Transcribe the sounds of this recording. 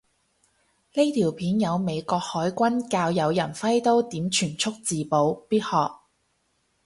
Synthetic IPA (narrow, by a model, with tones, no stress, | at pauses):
ne˥t̪ʰiː˨˩wpʰiː˨˥njɐ˨˧wme˨˧jkʷɔː˧k̚hɔː˨˥jkʷɐ˥nkaː˧wjɐ˨˧wjɐ˨˩nfɐ˥jt̪o˥wt̪iː˨˥mt͡ʃʰyː˨˩nt͡sʰʊ˥k̚t͡siː˨po˨˧wpiː˥t̚hɔː˨k̚